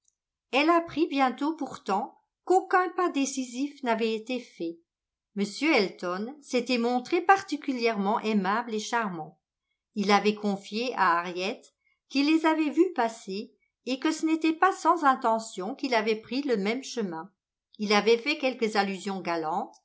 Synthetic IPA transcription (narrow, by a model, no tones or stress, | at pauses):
ɛlapχibjɛ̃t̪opuʁt̪ɑ̃ | kokɛ̃pad̪esizifnavɛet̪efɛ | məsjøɛlt̪ɔnset̪ɛmɔ̃t̪χepaʁt̪ikʲyljɛʁmɑ̃ʔemableʃaʁmɑ̃ | ilavɛkʰɔ̃fjeʔaaʁjɛt̪ | kilːezavɛvypaseː | kəsənet̪ɛpasɑ̃zɛ̃t̪ɑ̃sjɔ̃kilavɛpχiləmɛmʃəmɛ̃ | ilavɛfɛkʲɛlkəzalyzjɔ̃ɡalɑ̃t̪